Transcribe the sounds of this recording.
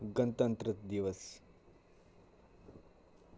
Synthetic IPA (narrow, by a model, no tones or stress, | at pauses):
ɡənt̪ənt̪ɾət̪d̪iʋəs